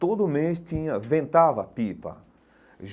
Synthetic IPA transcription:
t̪od̪ʊʊmest̪ĩɲɐvẽnt̪avɐpipɐ̰ | ʒ

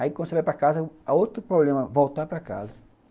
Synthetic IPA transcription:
aikɐ̃nd̪ʊsevajpɾakazɐaowt̪ɾʊpɾoblẽmɐvowt̪apɾɐka̰zɐ

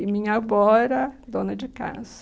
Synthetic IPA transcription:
ɪmĩɲɐbɔɾɐd̪õnɐd͡ʒɪka̰sɐ

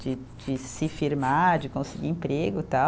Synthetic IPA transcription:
d͡ʒɪ | d͡ʒɪsɪfiɾmaɾd͡ʒɪkõsɪɡḭẽpɾeɡʊt̪a

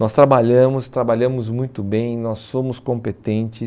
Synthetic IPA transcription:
nɔst̪ɾabaʎɐ̃mʊst̪ɾabaʎɐ̃mʊzmũj̃t̪ʊbẽj̃nɔsːõmʊskõmpet̪ẽnt͡ʃɪ

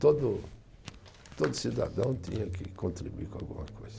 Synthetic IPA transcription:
t̪od̪ʊ | t̪od̪ʊsid̪a̰d̪ɐ̃w̃t̪ḭ̃ɲɐkɪ̰kõnt̪ɾibuikõaɡũmɐkojzɐ

